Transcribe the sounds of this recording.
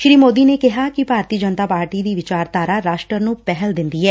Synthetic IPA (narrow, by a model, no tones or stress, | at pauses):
ʃɾiːmoːd̪iːneːkɪɦaːkibʱaːɾt̪iːd͡ʒənt̪aːpaːɾʈiːd̪iːʋɪt͡ʃaːɾt̪aːɾaːɾaːʃʈɾəɾnũːpɛɦəld̪ɪnd̪iːɦɛː